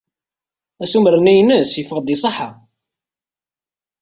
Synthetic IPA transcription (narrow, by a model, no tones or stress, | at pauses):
æsumɾənæjnəsjəfəʁd̪isˤɑħa